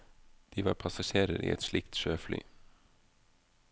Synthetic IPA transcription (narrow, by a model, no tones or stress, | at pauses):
d̪̥iːʋɑ̰ːɾpʰɑsɑʃeːɾəɾʔḭːʔɛt̪ʃlɪkt̪ʃøːfly̰ː